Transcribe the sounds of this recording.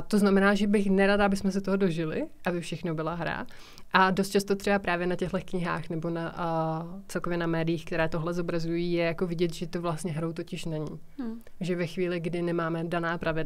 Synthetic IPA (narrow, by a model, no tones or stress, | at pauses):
t̪oznamɛnaːʒɛbɪxnɛɾadaʔabɪsmɛs̬ɛt̪oɦodo̞ʒɪlɪ̰ʔabɪfʃɛxnobɪlaɦɾa̰ | ʔadost̪̚t͡ʃast̪ot̪r̥ɛbapɾaːvjɛnacɛɦlɛkɲɪɦa̰ːxnɛbo̞na | t͡sɛlkovjɛnamɛːdɪjiːxkt̪ɛɾɛːt̪o̞ɦlɛzo̞bɾazujiːjɛjako̞vɪɟɛt̪ʒɛt̪ovlast̪ɲɛɦɾo̞wt̪o̞cɪʃnɛɲi | ʒɛvɛxviːlɪɡdɪnɛmaːmɛdanaːpɾʔavɪd